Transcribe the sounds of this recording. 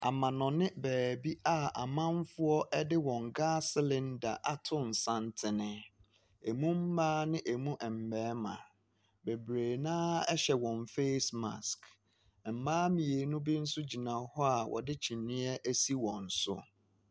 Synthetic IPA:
a̰˨mã˨nɔ̃˨nɪ̃˦bɛː˨bi˦a˦˨a̰˨mã˦n˦fʊ˦ɔ˦ʔɛ˦dɪ˦wɔ̃˨ŋ˨ɡaː˦slɪ̃˨nda̰˨ʔa˦tʰʊ̃˦n˨sã˦˨ntʰɪ˨nɪ̃˦ | e˨mũ˦m̩˦maː˦nɪ̃˦ʔe˨mũ˦ʔɛ˨m̩˨bɛː˨˦mã̰˨ | be˨bɾeː˨nãː˦ɛ˦ɕɛ˨wɔ̃˨nfe˦sma̰˨sk | m̩˨maː˦mĩ˨e˨˦nʊ̃˦bi˦n̩˦sʊ˦d͡ʑi˨nã˨hɔ˦a˨wʔɔ̰˨dɪ˦t͡ɕʰĩ˨nɪ̃˦ɛ˦ʔæ˦si˦wɔ̃˨n̩˨sʊ̰˦

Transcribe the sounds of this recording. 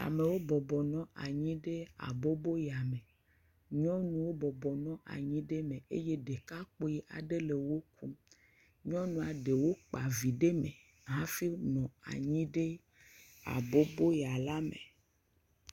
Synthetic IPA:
a̰˨me˨wo˦bɔ˨bɔ˨nɔ̃˦ʔa˨ɲĩ˦ɖe˦a̰˨bo˦bo˦ja˨mẽ˨ | ɲɔ̃˦nũ˦wo˦bɔ˨bɔ˨nɔ̃˦ʔa̰˨ɲĩ˦ɖe˦mẽ˨e˦je˦ɖe˨ka˦k͡po˦ji˦ʔa̰˨ɖe˦le˨wo˦kʰu˦ | ɲɔ̃˦nũ˨a˨ɖe˨wo˦k͡pa˨vi˨ɖe˦mẽ˨ | ɦã˦fi˦nɔ̃˨a̰˨ɲĩ˦ɖe˦ | a̰˨bo˦bo˦ja˨la˦mḛ̃˨

